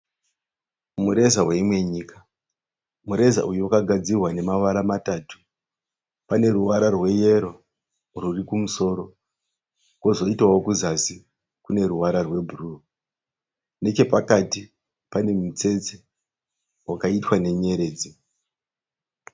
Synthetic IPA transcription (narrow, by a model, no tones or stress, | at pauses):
muɾe̞zawe̞imwe̞ɲiːkḁ | muɾe̞za̰ʔujuwakaɡʱad͡zirwane̞maʋaɾamataːtu̥ | pane̞ruwaɾarwe̞je̞ɾo̞ | rurikumuso̞ːɾo̞ | ko̞zo̞itwawokuzasi | kune̞ruwaɾarwe̞bʱuru | ne̞t͡ʃe̞pakati | pane̞mut͡se̞t͡se | wakaitwane̞ɲe̞ɾe̞ːd͡zi